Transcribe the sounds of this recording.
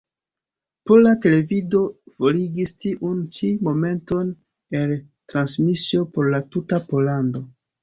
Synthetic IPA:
polate̞le̞vido̞fo̞liɡistiʔunt͡ʃimo̞me̞nto̞n | e̞l | tɾansmisio̞po̞ɾlatutapo̞lando̞

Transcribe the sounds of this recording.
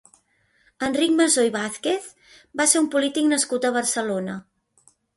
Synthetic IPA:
ənrik̚məzojβaθkeθ | baseumpulit̪iknəskut̪əβ̞əɾsəlonə

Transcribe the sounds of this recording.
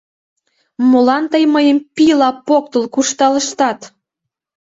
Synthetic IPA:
molɑnt̪əjməjəmpilɑpok̚t̪əlˠkuʃt̪ɑləʃt̪ɑt̪

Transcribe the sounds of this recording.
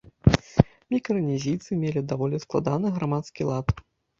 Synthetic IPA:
mʲikɾɨnʲizʲit̪sɨmʲelʲid̪avɔlʲisklˠa̰d̪anɨɣɾamat̪skʲilˠat̪

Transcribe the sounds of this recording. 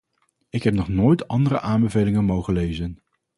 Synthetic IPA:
ɪkɦɛp̚nɔχnoːjtɑndərə̰ʔaːmbəvejlɪŋənmowχəlejzən

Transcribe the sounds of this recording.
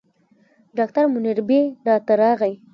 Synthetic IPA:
ɖɑkt̪aɾmʊniɾbeɖɑt̪aɾɑɣaj

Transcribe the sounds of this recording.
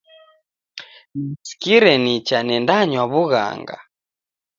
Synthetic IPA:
nisi̥kiɾɛnit͡ʃanɛndaɲwaβuɣa̰ŋɡa̰

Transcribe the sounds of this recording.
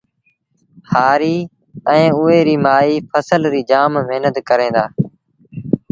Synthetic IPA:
haːɾiː | ɛ̃ːʊeːɾiːmaːiːpʰəsəlɾiːd͡ʒaːmːeːnəd̪kəɾẽːd̪aː

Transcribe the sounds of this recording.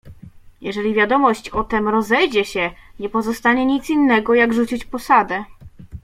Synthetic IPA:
jɛʐɛlʲivʲjad̪ɔmɔɕt͡ɕɔt̪ɛmɾɔzɛjd͡ʑɛɕɛɲɛpɔzɔst̪aɲɛɲit̪sinːɛɡɔjaɡʐut͡ɕit͡ɕpɔsad̪ɛ

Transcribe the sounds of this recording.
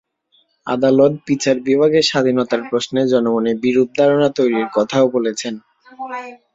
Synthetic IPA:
a̰d̪alot̪̚pit͡ɕʰaɾbibʱaɡeʃad̪ʱinot̪aɾpɾosned͡ʑɔnoɡonebiɾud̪̚ʱd̪ʱaɾonat̪ojɾiɾkɔt̪ʰaobolet͡ɕʰen

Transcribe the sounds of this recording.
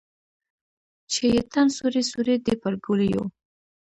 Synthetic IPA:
t͡ʃejet̪ansuɾesuɾed̪epəlɡulijo̰

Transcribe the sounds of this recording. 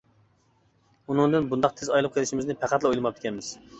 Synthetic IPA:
unɨŋd̪ɨnbund̪ɑqt̪ʰezɑjlˠɨp̚qʰəlˠɪʃimɪznɪpʰæqʰæt̪lˠɨojlˠɨmɑp̚d̪ɪ̥kʲɛnmɪz̥

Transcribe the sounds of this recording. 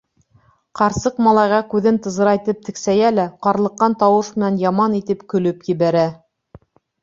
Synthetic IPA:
qɑɾsɤqmɑlˠɑjʁɑkʉðɘnt̪ɤ̆zɤ̆ɾɑjt̪ɤp̚t̪ɘ̆ksæjælæqɑɾlˠɤ̆qːɑnt̪ɑwɤʃmɘ̆nænjɑmɑnit̪ɘpkɵ̆lɵpjɘ̆βæɾæ

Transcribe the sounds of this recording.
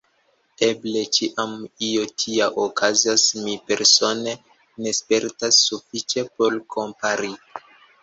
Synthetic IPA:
e̞ble̞t͡ʃiʔamiotʰiaʔokʰazasmipe̞ɾso̞ne̞ | ne̞spe̞ɾtasːufit͡ʃe̞po̞lkʰo̞mpaɾi

